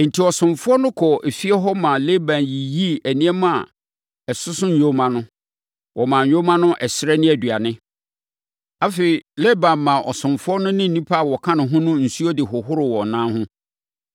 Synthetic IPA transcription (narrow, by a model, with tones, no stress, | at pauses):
n̩˨tʰi˨ɔ˨sʊ̃˨mfʊ˦ɔ˦nʊ̃˦kʰɔ˨ʔe˨fi˦ɛ˦ɦɔ˦mã˨le˦bã˨nji˨ji˦æ˨nĩ˦ɛ˦mã˦˨ | ɛ˨sʊ˦sʊ̃˦ɲ̩˨o˦mã˦nʊ̃˦ | wʔɔ˨mã˨ɲ˨ɲo˦mã˦nʊ̃˦ʔɛ˨sɪ˦ɾɛ˦nɪ̃˦æ˨dɥa˨nɪ̃˦ | a˦fe˨i˨le˦bã˨mːã˨ʔɔ˨sʊ̃˨mfʊ˦ɔ˦nʊ̃˦nɪ̃˦n̩˨nĩ˦pʰa˦a˨wɔ˨kʰã˦nʊ̃˨ɦʊ̃˦nʊ̃˦n̩˨su˦ɔ˦dɪ˨ɦʊ˨ɦʊ˦ɾɪ˨wɔ˨nãː˦hʊ̃˦